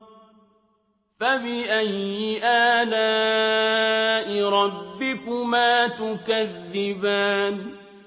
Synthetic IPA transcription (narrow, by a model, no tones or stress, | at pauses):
faβɪʔajːɪʔaːlaː | ʔɪɾˤɑbːɪkʊmaːt̪ʊkaðːɪbaːn